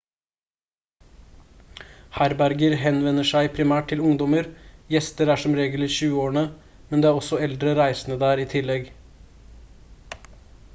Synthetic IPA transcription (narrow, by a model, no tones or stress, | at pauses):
hæɾbæɾɡəɾɦɛnʋɛnːəʂæɪpʰɾɪmæːʈ̚t̪ʰɪlʊŋd̪ɔməɾjɛst̪əɾæːʂɔmɾeːɡəl̩ɪʃʉːəoːɳə | mɛnd̪eːæːɾɔsɔɛld̪ɾəɾæɪsənəd̪æːɾiːt̪ʰɪlɛɡ